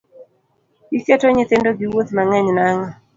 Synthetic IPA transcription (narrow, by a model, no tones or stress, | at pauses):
ikɛtɔɲɪt̪ɪndoɡɪwot̪maŋɛɲnaŋɔ